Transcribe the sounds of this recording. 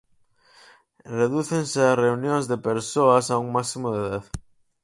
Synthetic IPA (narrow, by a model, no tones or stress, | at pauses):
reðuθenseasreunjõŋzðepeɾsoasauŋmasimoðeðað